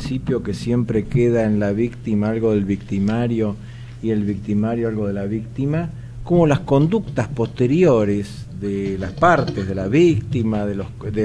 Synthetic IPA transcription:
sipjokesje̞mpɾekeðaenlaβikt̪imaalɣo̞ðe̞lβikt̪imaɾjo̞ | ie̞lβik̚t̪imaɾjoalɣo̞ð̞elaβik̚t̪ima | ko̞mo̞lasko̞nd̪ukt̪aspo̞st̪eɾjoɾes | ðelaspaɾt̪ezðelaβikt̪imaðelod̪e

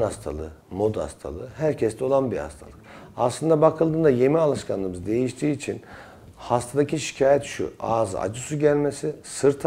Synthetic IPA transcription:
nast̪ʰa̰lˠɯmo̞d̪a̰st̪ʰa̰lˠɯɦæɾcʰɛst̪ʰɛo̞lˠanbiha̰st̪ʰa̰lˠɯkaslˠɯnd̪abakʰɯlˠd̪ɯːnd̪aje̞mialˠɯʃkʰanlˠɯːmɯzd̪e̞jiʃt̪ʰiːt͡ʃʰin | hast̪ʰad̪aciʃi̥cʰaːjɛt̪ʃṵaːza̰d͡ʒɯsuɟælʲmesisɯɾt̪ʰ

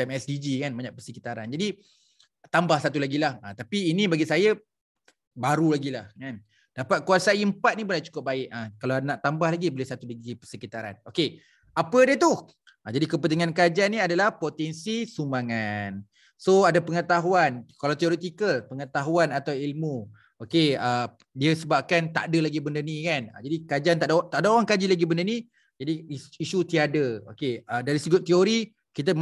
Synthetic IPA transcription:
ɛmɛsdid͡ʒikanbaɲãʔpərsəkit̪aɾa̰nd͡ʒadi | t̪ambahsat̪ulaɡilaha̰t̪apiːnĩbaɡisaja | baɾulaɡilahkan | d̥apat̪̚kuasaimpat̪̚nibonaʔt͡ʃu̥kʊp̚baɪʔakalanaʔt̪ambahlaɡibolɛhsat̪udaɡipərsəkit̪aɾa̰noke | apədət̪uh | ad͡ʒadikəp̬ənt̪iŋankad͡ʒaniadalahpot̪ɛnsisumaŋan | soadapəŋət̪aɦuankalawt̪ioɾet̪ikəlpəŋət̪aɦuanat̪awilmu | okeə | diəsəbap̚kant̪a̰ʔdəlaɡibəndənikana̰d͡ʒadikad͡ʒant̪aʔdt̪aʔdaoɾaŋkad͡ʒilaɡibəndəni | d͡ʒadiisut̪iadəo̰keədaɾisəɡʊt̪ioɾi | kit̪a

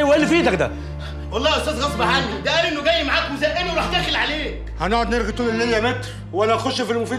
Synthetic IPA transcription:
wʔælːifiːd̪ækd̪æ̰ | ʔɑlˤːɑːʔost̪æːzɣɑsˤbaħanːid̪æʔæːlʔenːoɡæjːmaʕakmozæʔenweɾˤɑħt̪æːxelʕaleːkhænoʕod̪neɾɡit̪uːnelːæziʔæmæt̪ː | wænæʔæxoʃːfilmofiː

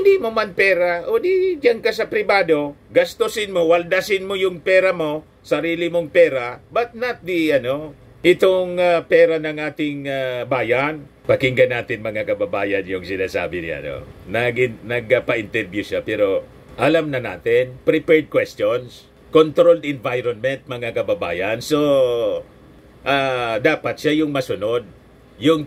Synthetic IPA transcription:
ɪnd̪imomanpɛːɾaʔod̪id͡ʒaŋkasɐpɾɪbaːd̪o̞ɡɐst̪osɪnmowald̪asɪnmojʊŋpɛːɾamo̞ | sɐɾiːlɪmoŋpɛːɾabɐt̪̚nat̪̚d̪ɪʔɐno̞ | ʔɪt̪oŋapɛːɾanɐŋʔaːt̪ɪŋabaːjan | pɐkɪŋɡɐnːaːt̪ɪnmɐŋakɐbɐbaːjɐnjʊŋsɪnaːsa̰ːbɪnɪ̰a̰no̰nɐɡɪnɐɡɐpɐʔɪnt̪ɛɾbjʊʃapɛːɾo̞ | ʔɐlamnɐna̰ːt̪ɪnpɾɪpɛɹd̪̚kwɛst̪ons | kont̪ɾold̪ɪnvajɾonmɛnt̪̚mɐŋakɐbɐbaːjɐnso̞ | ʔad̪aːpɐt̪̚ʃajʊŋmɐsʊno̞d̪̚ | jʊŋ

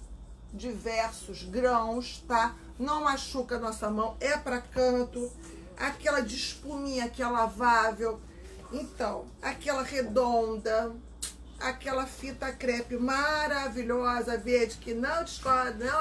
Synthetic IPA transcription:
d͡ʒivɛɾsʊzɡɾɐ̃w̃st̪a | nɐ̃w̃maʃukɐnɔsɐmɐ̃w̃ɛpɾɐkɐ̃nt̪ʊ | akɛlɐd͡ʒiʃpumĩɲɐkɪɛlavavew | ẽt̪ɐ̃w̃ | akɛlɐʁed̪õnd̪ɐ | akɛlɐfit̪ɐkɾɛpɪmaɾaviʎɔzɐveɾd͡ʒɪkɪnɐ̃w̃d͡ʒɪʃkɔhd̪ɐnɐ̃w̃

